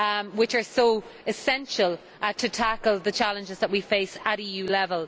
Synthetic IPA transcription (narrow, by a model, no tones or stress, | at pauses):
wɪt͡ʃə˞soʊɪsɛ̃nʃəlˠ | tʰətʰakəlˠðət͡ʃʰalə̃nd͡ʒɪzðət̚wifeɪsəɾiːjʉːlɛvəlˠ